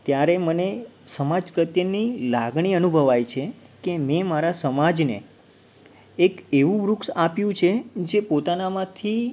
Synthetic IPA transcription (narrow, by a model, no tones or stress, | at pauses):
t̪jaɾemənesəmad͡ʒpɾət̪jənilaɡɳiənubʱəʋajt͡ʃʰekememaɾasəmad͡ʒne | keʋũʋɾuksapjũt͡ʃʰed͡ʒepot̪anamãt̪ʰi